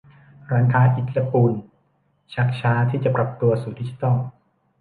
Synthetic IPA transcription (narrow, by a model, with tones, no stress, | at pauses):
ɾaː˦˥ŋkʰaː˦˥ʔi˨˩t̪̚la˧puː˧n | t͡ɕʰa˦˥k̚t͡ɕʰaː˦˥t̪ʰiː˥˩t͡ɕa˨˩pɾa˨˩p̚t̪u˧ɐsuː˨˩di˦˥t͡ɕi˨˩t̪ɔ˥˩l